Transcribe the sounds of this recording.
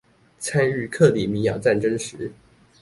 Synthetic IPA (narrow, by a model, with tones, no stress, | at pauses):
t͡sʰa˥ny˥˧kʰɤ˥˩li˨˩mi˧˥jɑ˨˩ʊt͡sa˥˩nʈ͡ʂə˥nʂɻ̩˧˥